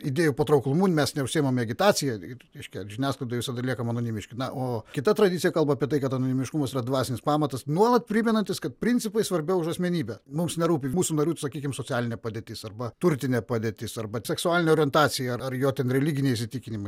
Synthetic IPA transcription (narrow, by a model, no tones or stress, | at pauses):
ɪd̪ʲeːjupɐt̪ɾɐʊklˠʊmuːmʲɛsnʲɛʊʃʲsʲiejɛmɐmmʲɛɡʲɪt̪ɑːt͡sʲɪjɛɪɾʲɛɪʃʲkʲɛʒʲɪnʲæːsklˠɐɪd̪ojʋʲɪsɐd̪ɐlʲiɛkɐmɐnoːnʲimʲɪʃʲkʲɪnɐʔoːkʲɪt̪ɐt̪ɾɐdʲɪtt͡sʲɪjɛkɐlˠbɐːpʲiɛt̪ɐɪkɐt̪ɐnonʲɪmʲɪʃkʊmɐsɪɾɐd̪ʋɑːsʲɪnʲɪspɑːmɐt̪ɐsnuɔlˠɐt̪̚pʲɾʲɪmʲɛnɐnʲt̪ʲɪskɐt̪̚pʲɾʲɪnʲt͡sʲɪpɐɪsʋɐɾʲbʲɛʊʊʃɐsʲmʲɛnʲiːbʲɛmʊmsnʲɛɾuːpʲɪmuːsunɐɾʲuːsɐkʲiːkʲɪmsoːt͡sʲæːlʲɪnʲɛpɐd̪ʲeːt̪ʲɪsɐrbɐt̪ʊɾʲt̪ʲɪnʲɛpɐd̪ʲeːt̪ʲɪsɐrbɐsʲɛksʊɑːlʲɪnʲɛoːɾʲɪɛnt̪ɑːt͡s̪ʲɪjɛɐɐrjoːt̪ʲɛnɾʲɛlʲiɡʲɪnʲɛɪsʲɪt̪ʲikʲɪnʲɪmɐɪ